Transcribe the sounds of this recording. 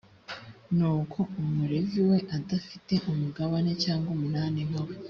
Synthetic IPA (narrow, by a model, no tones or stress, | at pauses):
nuːkʰo̞umuɾeviwe̞ʔadafite̞ʔumuɡaβane̞t͡ʃaːŋɡomunaːnemawe